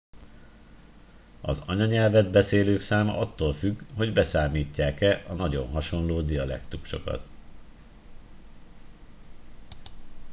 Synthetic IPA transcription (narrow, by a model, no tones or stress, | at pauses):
ɒ̰zɒɲɒɲɛlvɛd̪bɛseːløːksaːmɒ̰ʔɒt̪ːoːlfyɡho̞ɟbɛsaːmiːcːaːkɛʔɒnɒɟo̞̰nɦɒʃo̞nloːd̪ijɒlɛ̰kt̪ukʃo̞kɒ̰t̪